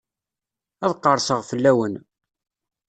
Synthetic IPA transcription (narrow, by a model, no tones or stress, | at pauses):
æðqːəɾˤsəʁfəlːæwən